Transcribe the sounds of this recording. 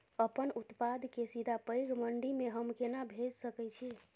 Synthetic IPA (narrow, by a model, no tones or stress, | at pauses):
əpənut̪pad̪ʱkesid̪ʱapəjɡməɳɖimeɦəmkenabʱed͡ʒsəkɛjt͡ʃʰi